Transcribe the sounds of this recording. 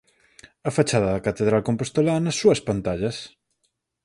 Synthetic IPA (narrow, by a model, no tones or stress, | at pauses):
ɐfat͡ʃað̞ɐðɐkat̪eðɾalkompost̪olanɐsːuɐspant̪aʎɐs